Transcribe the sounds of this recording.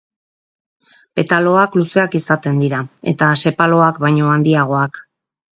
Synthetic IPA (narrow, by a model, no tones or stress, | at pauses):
pe̞t̪alo̞akluse̞akisat̪e̞nd̪iɾae̞̰t̪ase̞palo̞akbajɲo̞and̪iaɣ̞o̞ak